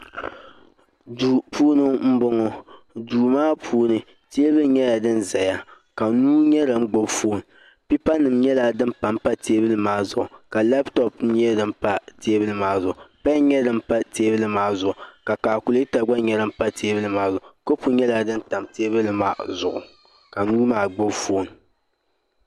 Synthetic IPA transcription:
duː˨puː˦nɨ˦ŋm̩˦bʊ˦ŋɔ˦ | duː˨maː˦pʰuː˦nɨ˦ | te˦bɨ˦lɲɛ˦ja˨dɨ˦nza˨ja˦ | ka˨nuː˦ɲɛ˦la˨ŋ͡m̩˦ɡ͡bo˦bfo˦˨n˨ | pi˦pa˦nɨ˨mɲɛ˦la˦dɨ˦mpa˨mpa˦tʰeː˦bɨ˦lɨ˦maː˦zʊ˦ʔʊ˨ka˨lɛ˦btɔ˦pɛ˦dɨ˦mpa˦teː˦bɨ˦lɨ˦maː˦zʊ˨ʔʊ˨pa˦ɲɛ˦dɨ˦m˦pa˦teː˦bɨ˦lɨ˦maː˦zʊ˨ʔʊ˨ka˨kaː˨ku˨lta˨ɡ͡ba˦ɲɛ˦lɨ˦m̩˦pa˦tʰeː˦bɨ˦lɨ˦maː˦zʊ˨ʔʊ˨ko˦pu˦ɲɛ˦la˨dɨ˦n˦ta˨mteː˦bɨ˦lɨ˨˦maː˦zʊ˨ʔʊ̰˨ | ka˨nuː˦maː˦ɡ͡bo˦bfoː˦˨n˨

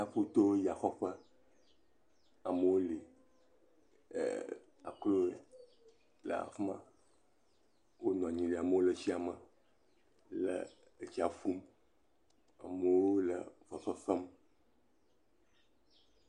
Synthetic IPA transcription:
ja˦ɸu˦t̪o˦wo˦ja˨xɔ˦ɸə˦ | a˨mə˨wo˦li˨ | a̰˨klo˦e˨ | lə̰˨a̰˨fmã̰˦ | wo˦nɔ̃˨a˨ɲĩ˨li˨a˨mə˦wo˦lə˦˨si˦a˨mə˨ | lə̰˨ | e˦t͡ɕi˦a˨fu˦m | a̰˨mə˨wo˦lə̰˨vɔ˨sɔ˦sɔ˦m

